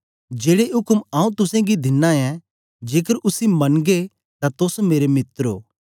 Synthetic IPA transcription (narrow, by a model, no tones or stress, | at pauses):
d͡ʒeːɽeɦʊkmãːũt̪ʊsẽɡid̪ɪnːãɛ̃ | d͡ʒeːkəɾʔʊsimɐnɡe | t̪at̪ʊsmeːɾemɪt̪ɾo̰ː